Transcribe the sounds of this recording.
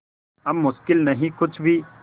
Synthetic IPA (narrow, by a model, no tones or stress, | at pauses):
ɐmːʊʃkɪlnɐɦĩkʊt͡ʃʰbʱiː